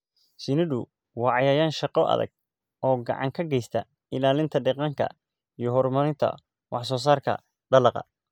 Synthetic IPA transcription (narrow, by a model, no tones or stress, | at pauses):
sɪnɪðʊ | wɑːʕɑjaːjaːnʃɑqɔʔɐ̰ðɐ̰ɡ̥̚ | ʔɔːɡɑ̰ʕɑ̰ŋkʰɐɡɛjst̪ʰɐ | ɪlaːlɪnt̪ʰɐɖɛqɑŋkʰɐ̰ | ijɞɦɔrmɐɾɪnt̪ʰɐ̰ | wɑħs̬ɔːs̬aːrkʰɐ̰ | ɖɐlɑqɑ̰